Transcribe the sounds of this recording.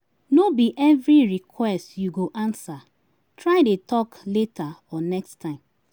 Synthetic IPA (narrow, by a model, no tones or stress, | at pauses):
nobiʔɛvɹiɹikʰwɛstjuɡoʔãnsa | tɹaɪdetɔkletʰaɔnɛkstʰãɪ̃m